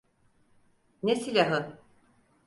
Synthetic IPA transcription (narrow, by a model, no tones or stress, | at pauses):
nesilʲaɦɯ